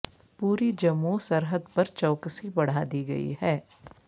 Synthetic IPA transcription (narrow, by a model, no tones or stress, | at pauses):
puːɾid͡ʒɐmːusɐɾɦəd̪pɐɾt͡ʃɔːksibɐɽ̤ad̪iɡɐ̰ḭɦɛː